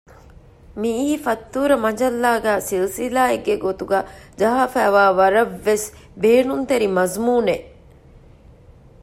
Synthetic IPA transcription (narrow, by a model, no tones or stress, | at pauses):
miːhifɐt̪ːuːɾɐmɐd͡ʒɐlːaːɡæːsilsilaːeɡːeɡot̪uɡaːd͡ʒɐɦaːfæːʋaːʋɐɾɐʋːesbeːnunt̪eɾimɐzmuːne